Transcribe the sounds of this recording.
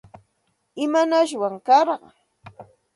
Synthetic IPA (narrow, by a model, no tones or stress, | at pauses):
ɪmanaʃwaŋkɑɾɢɑ̰